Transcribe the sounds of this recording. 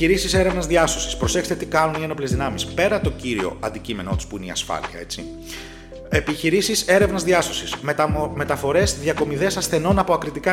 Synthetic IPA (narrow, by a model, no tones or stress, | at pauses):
iɾisise̞ɾe̞vnɐzðiɐso̞si̥spɾo̞se̞xst̪et̪ikɐnunieno̞plezðinɐmispe̞ɾɐt̪o̞ciɾio̞̰ɐnd̪icime̞no̞t̪u̥spuineḭɐ̰sfɐ̰liɐ̰e̞t͡si | epiçiɾisise̞ɾe̞vnɐzðiɐso̞sismme̞t̪ɐfo̞ɾe̞zðʝɐko̞miðe̞sɐsθe̞no̞nɐpo̞ɐkɾit̪ikɐ